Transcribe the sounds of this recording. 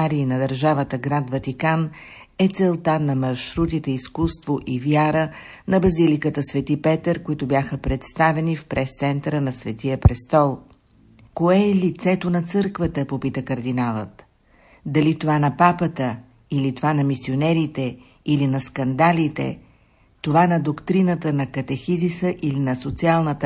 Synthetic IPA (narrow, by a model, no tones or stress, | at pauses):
aɾiːnɐd̪əɾʒavət̪əɡɾad̪vɐt̪ikan | ɛt̪sɛlˠt̪anɐmɐɾʃɾut̪it̪ɛiskust̪voʔivjaɾə | nɐbɐzilikət̪əsvɛt̪ipɛt̪əɾkoit̪ʊbjaxəpɾɛt̪st̪avɛnifpɾɛst̪sɛnt̪ɾənɐsvɛt̪ijəpɾɛst̪ɔlˠ | koɛːlit̪sɛt̪onɐt̪sɤɾkvət̪əpopit̪əkəɾd̪inalˠət̪ | d̪ɐlit̪ovanɐpapət̪ə | ilit̪ovanɐmisionɛɾit̪ɛ | ilinɐskɐnd̪alit̪ɛ̰ | t̪ovanɐd̪okt̪ɾinət̪ənɐkɐt̪ɛxizisəʔilinɐsot̪sialˠnət̪ə